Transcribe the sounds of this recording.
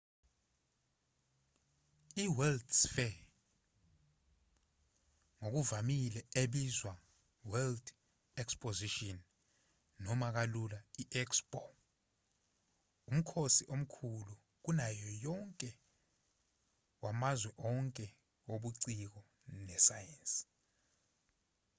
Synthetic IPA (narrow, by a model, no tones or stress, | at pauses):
iwɛldsfɛ | ŋok̬uvamilɛeɓizwa | wɛld | ɛkspʼoziʃɔnː | ɔmak̬alulaiʔɛkspʼɔ | um̩kʰosiʔom̩kʰulu | k̬unajɔjɔŋkʼɛ | wamazwɛʔɔŋkʼɛ | woɓuǀik̬ɔ | nɛsajɛns